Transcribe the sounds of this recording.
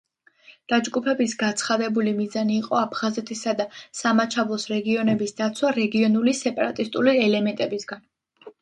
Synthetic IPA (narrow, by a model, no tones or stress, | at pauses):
d̪̥ad͡ʒɡupʰɛbisɡat̪sʰχad̪ɛbulimizaniːqʼɔapʰχazɛt̪ʰisad̪asamat͡ʃʰavlˠɔsɾɛɡiɔnɛbisd̪at̪sʰwaɾɛɡiɔnulisɛpʼaɾat̪ʼist̪ʼuliɛlɛmɛnt̪ʼɛbisɡan